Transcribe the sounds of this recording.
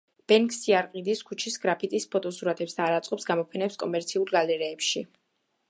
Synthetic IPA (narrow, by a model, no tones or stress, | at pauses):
b̥ɛŋksiaɾqʼid̪iskʰut͡ʃʰisɡɾapʰit̪ʼispʰɔt̪ʼɔsuɾat̪ʰɛpsd̪aːɾat̪sʼqʼɔpsɡamɔpʰɛnɛpskʼɔmɛɾt̪sʰiulɾɡalɛɾɛːpʃi